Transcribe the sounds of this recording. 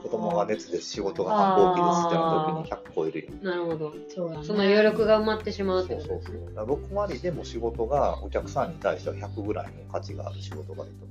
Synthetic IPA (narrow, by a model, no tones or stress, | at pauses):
ko̞d̪o̞moɡane̞t͡sɨd̪esɨ̥ɕiɡo̞t̪o̞ɡahaoːiset̪o̞iɲiçʲakɯ̥kːoiɾɯjanaɾɯ̟ho̞d̪o̞ | soso̞nːojʲo̞ːɾʲo̞kɯ̟ɡaɯ̟mat̪ːe̞ɕimaɯt̪seso̞ːsod̪aɾo̞kɯ̟βaɾʲid̪e̞mo̞ɕiɡo̞t̪o̞ɡaokʲakɯ̟̥sãɲ̟ːit̪aiɕi̥t̪eβaçakɯ̟ɡɯ̟ɾa̰ḭno̞kat͡ɕiɡa̰ːɾɯ̟ɕiɡo̞t̪o̞ɡa̰d̪ɯt̪o